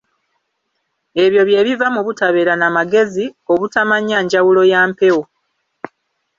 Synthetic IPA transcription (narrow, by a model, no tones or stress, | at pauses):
e̞βjo̞βje̞ːβivamuβutaβe̞ːɾanamaɡe̞zio̞βutamaɲaːɲɟawulo̞jaːmpewo